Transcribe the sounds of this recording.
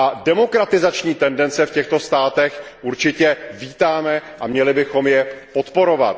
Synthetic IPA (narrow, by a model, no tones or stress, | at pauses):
ʔadɛmo̞kɾat̪ɪzat͡ʃɲiːt̪ɛndɛnt͡sɛfcɛxt̪o̞st̪aːt̪ɛxʔuɾt͡ʃɪcɛviːt̪aːmɛʔamɲɛlɪbɪxo̞mjɛpo̞t̪po̞ɾo̞va̰t̪̚